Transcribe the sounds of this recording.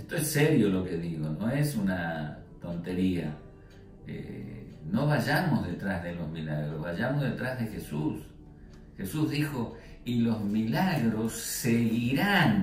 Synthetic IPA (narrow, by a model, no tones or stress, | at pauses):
est̪oesːeɾjo̞lo̞ke̞ðiɣono̞esunat̪o̞nt̪e̞ɾia̰ | ḛno̞βaʒamozðet̪ɾazðelo̞zmilaɣɾozβaʒamozðe̞t̪ɾazðexesus | xesuzðixo̞ | ilo̞zmilaɣɾo̞sːeɣiɾan